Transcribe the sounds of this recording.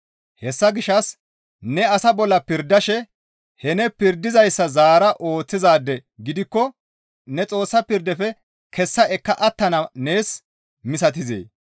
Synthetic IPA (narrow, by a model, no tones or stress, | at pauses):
hɛsːɐɡɪʃɐs | nɛɐsɐbɔlːɐpɪɾd̪ːɐʃɛ | hɛnɛpɪɾd̪ɪzɐjsːɐzaːɾɐʔo̞ːt͡sːɪzaːd̪ːɛɡɪd̪ɪkːɔ | nɛt͡sʼo̞ːsːɐpɪɾd̪ɛfɛ | kʰɛsːɐɛkːɐʔɐt̪ːɐnɐne̞ːs | mɪsɐt̪̬ɪzḛː